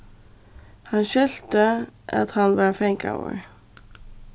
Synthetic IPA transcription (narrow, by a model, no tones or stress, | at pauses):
hɑnʃœlt̪əʔɑ̰t̪hɑnʋɑːɹfɛɪŋkʰa̰ʊə̰ɹ